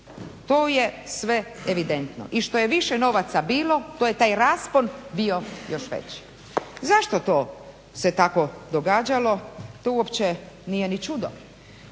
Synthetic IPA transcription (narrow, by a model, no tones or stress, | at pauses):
t̪oːje̞sʋe̞eʋid̪ent̪no̰ʔiʃt̪o̞jeʋiʃeno̞ʋat̪sabiːlo̞t̪oje̞t̪aːjɾaːsponbio̞jo̞ʃʋḛt͡ɕ | zaʃt̪ot̪oː | se̞t̪ako̞d̪oɡaːd͡ʑalo̞t̪ouopt͡ɕe | nijenit͡ʃud̪o̰